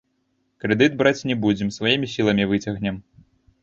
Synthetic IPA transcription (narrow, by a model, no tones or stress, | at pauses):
kɾɛd̪ɨd̪̚bɾat͡sʲnʲɛbud͡zʲɛmsvajimʲisʲilˠɐmʲivɨt͡sʲɐɣnʲɛm